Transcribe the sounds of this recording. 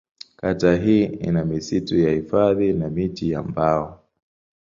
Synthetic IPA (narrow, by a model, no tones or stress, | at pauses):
kataɦiːḭnamisitujahifaðinamitija̰mbaɔ